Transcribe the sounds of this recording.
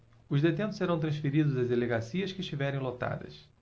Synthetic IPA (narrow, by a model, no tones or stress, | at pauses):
ʊzd̪et̪ẽnt̪ʊ̥seɾɐ̃w̃t̪ɾɐ̃sfeɾid̪ʊzɐzd̪eleɡasiɐskɪʃt͡ʃivɛɾẽj̃lot̪a̰d̪ɐ̰s